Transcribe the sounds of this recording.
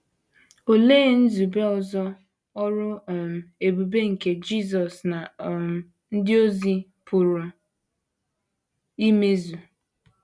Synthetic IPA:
o˨leː˦˨n̩˦zu˨be˦ɔ˨zɔ˦ | ɔ˦ɾʊ˦˨m̩˨e˨bu˨be˦ŋ̩˨ke˨d͡ʒi˦˨z̬ɔ˨sna˨ | n̩˦dɪ˦o˦zi˨ | pʊ˨ɾʊ˨ | i˦me˦zu˨

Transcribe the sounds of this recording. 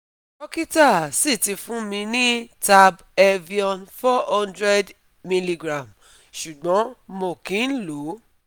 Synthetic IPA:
ɔ˦ki˦ta˦˨si˦˨ti˧fũ˦mĩ˧nĩ˦ta˧b | ɛ˧vi˧ɔ̃˨nfɔ˦hɔ̃˦ndɾɛ˦d | mi˧li˧ɡɾã˨m | ʃu˨ɡ͡bɔ̃˨˦mo˨kĩ˨˦n̩˦lo˨˦

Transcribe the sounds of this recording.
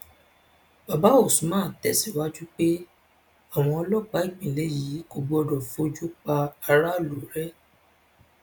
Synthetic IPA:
ba˨ba˨˦o˦˨sũ˨˦mãː˦˨tɛ˨˦si˦˨wa˦d͡ʒu˦k͡pe˦ | a˦˨w̃ɔ̃˧ɔ˧lɔ˦k͡pa˨˦i˦˨k͡pĩ˨le˨˦ji˨˦ɡo˨˧ɡ͡bo˧˦ɔ˧dɔ˨fo˧d͡ʒu˦k͡pa˧a˧ɾa˦lu˨ɾɛ˦

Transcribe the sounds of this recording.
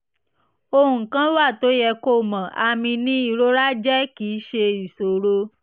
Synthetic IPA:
o˧hũ˨kã˦wa˦˨to˨˦jɛ˧ko˦˨mã˨ʔa˧mĩ˧nĩ˦i˦˨ɾo˦ɾa˦d͡ʒɛ˦ki˨˦ʃe˧i˨so˨ɾo˧˦

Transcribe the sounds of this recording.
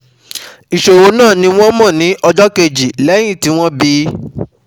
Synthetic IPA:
i˨ʃo˨wo˨˦nãː˦˨nĩ˧˦w̃ɔ̃˦mɔ̃˦˨nĩ˨˦ʔɔ˧d͡ʒɔ˦ke˧d͡ʒi˨lɛ˨˦j̃ĩ˦˨ti˨˦w̃ɔ̃˦bi˦

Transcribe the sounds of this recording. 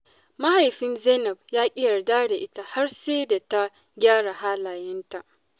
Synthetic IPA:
ma˦ha˨jɸɪ˦nzɛ˦nɐ˨bjaː˦kʲʼɪ˦jɐ˨rdaː˦da˨ʔɪ˦ta˦ha˦rseː˦da˨ta˦ | ɡʲaː˦ɽa˨haː˦laː˨jɛ˦nta˨ʔ

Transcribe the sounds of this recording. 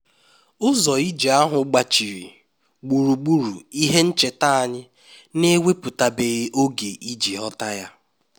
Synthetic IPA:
ʊ˦zɔ˨i˦d͡ʒe˨a˦ɦʊ˨˦ɡ͡ba˨t͡ʃi˨ɾḭ˨ | ɡ͡bu˨ɾu˨ɡ͡bu˦ɾu˨i˦ɦe˦n̩˦t͡ʃe˨ta˦a˨ɲɪ˦ | ne˦wʷe˦pʊ˨ta˨be˨ɣe˦ʔo˦ɡe˨ʔi˦d͡ʒi˨ɦɔ˦ta˦ja˦

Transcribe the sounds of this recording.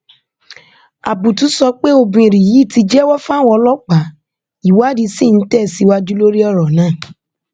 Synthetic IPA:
a˨bu˨tu˨˦sɔ˧k͡pe˦o˧bũ˧ĩ˨ɾĩ˨ji˨˦˨ti˧d͡ʒɛ˦wɔ˦fã˦˨wɔ˧lɔ˦k͡pa˨˦ | i˨wa˦di˧˦si˦˨n̩˦tɛ˦˨si˨˦wa˦d͡ʒu˦lo˦ɾi˦ɔ˦˨ɾɔ˨nãː˦˨

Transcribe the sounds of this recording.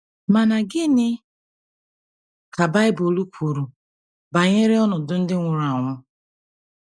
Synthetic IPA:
ma˨na˨ɡɪ˦nɪ˦ | ka˨ba˦ɪ˦bo˨lu˦kʰʷu˨ɾu˨ | ba˨ɲe˦ɾɪ˦ɔ˦nʊ˨dʊ˦n̩˦dɪ˦ŋʷʊ˨ɾa˨ŋʷʊ˦

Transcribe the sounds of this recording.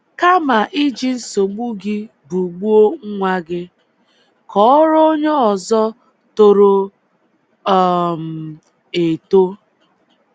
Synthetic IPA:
ka˦ma˨ʔi˦d͡ʒi˦n̩˦so˨ɡ͡bu˦ɡɪ˦ | bu˨ɡ͡bu˦o˦ŋ̩˦ŋʷa˦ɡɪ˦ | kɔ˦ɾo˦ɲe˦ɔ˨zɔ˦ | to˨ɾo˨˦˨ | m̩˨ | e˨to˦

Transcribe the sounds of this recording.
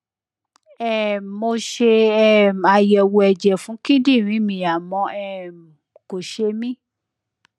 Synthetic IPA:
ɛ˨mo˧ʃe˧ɛ˦˨a˧jɛ˨wo˧ɛ˧d͡ʒɛ˨fũ˨˦kĩ˦di˦˨ɾ̃ĩ˨˦mĩ˧˨a˨mɔ̃˧ɛ˧m˨ | ko˨ʃe˧mĩ˦

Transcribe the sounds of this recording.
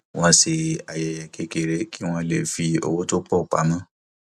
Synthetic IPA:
w̃ɔ̃˧se˧a˨jɛ˨jɛ˨ke˧˦ke˨ɾe˨˦ki˦w̃ɔ̃˧le˨fi˧o̰˧wo˦to˦k͡pɔ˦˨k͡pa̰˨˦mã˦

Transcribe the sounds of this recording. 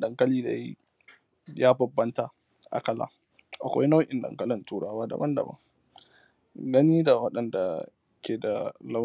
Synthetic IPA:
dɐ˨ŋkɐ˦liː˦da̰˨jḭ˦ | jaː˦bɐ˨bːɐ˦nta˨ | ʔa̰˨kɐ˦la̰ː˨ | ʔa˨kʷa̰˦jna˦wʔɪ˨ndɐ̰˨ŋkɐ˦lɪ˨ntuː˦ɽaː˦waː˦da̰˨bɐ˦ndɐ̰˨bɐ̰˦ŋ | ɡɐ˦niː˦da˨wɐ˦ɗɐ˨nda˨ | kʲeː˨da˨la˦

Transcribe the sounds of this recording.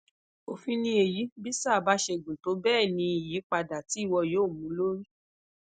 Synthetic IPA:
o˨fĩ˧nĩ˧e˨ji˨˦bi˦sa˦˨ba˨˦ʃe˧ɡũ˨to˨˦bɛː˦˨nĩ˧i˨ji˨˦k͡pa˧da˨ti˨˦i˦˨wɔ˧joː˦˨mũ˨˦lo˦ɾi˦

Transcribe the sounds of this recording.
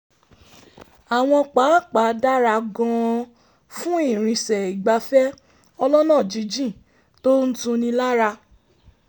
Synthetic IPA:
a˨w̃ɔ̃˧k͡pa˨˦˨k͡pa˨˦da˦ɾa˧ɡɔ̃˧ | fũ˦i˦˨ɾ̃ĩ˧sɛ˨i˨ɡ͡ba˧fɛ˦ | ɔ˧lɔ˦nãː˦˨d͡ʒi˨˦d͡ʒĩ˦˨ | to˦n̩˦tũ˧nĩ˧la˦ɾa˧

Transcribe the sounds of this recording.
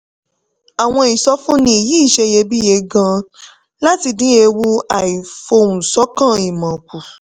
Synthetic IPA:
a˨w̃ɔ̃˧i˨sɔ˧˦fũ˦nĩ˦i˨ji˦˨ʃe˧je˧bi˦je˧ɡã˧ | la˦ti˧dĩ˦e˧wu˦a˨i˨fo˧ũ˨sɔ˨˦kã˦˨i˨mã˨ku˨

